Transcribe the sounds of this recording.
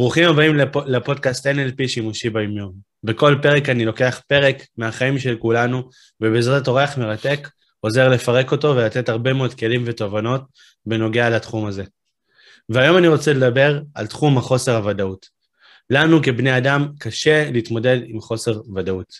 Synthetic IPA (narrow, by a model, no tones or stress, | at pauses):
bʁuχimabaimlepo̞dkast̪enelpiʃimuʃibajomjon | beko̞lpe̞ʁe̞kanilo̞ke̞aχpe̞ʁe̞kmeaχaimʃe̞lkulanu | vebezʁeto̞ʁeaχme̞ʁate̞k | o̞ze̞ʁle̞faʁe̞ko̞to̞ve̞lat̪e̞thaʁbe̞meod̪̚ke̞limve̞to̞vano̞t̚ | be̞no̞ɡe̞alatχumaze̞ | veajo̞maniʁo̞t͡se̞le̞dabe̞ʁaltχumhaχo̞se̞ʁhavadaut | lanuke̞bneadamkaʃe̞liːt̪mo̞de̞dimχo̞se̞ʁvadaut